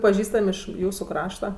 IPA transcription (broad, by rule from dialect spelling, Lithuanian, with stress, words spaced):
pɐˈʒʲiːstɐmʲ ˈɪʃ ˈjuːsʊ ˈkrɑːʃtɐ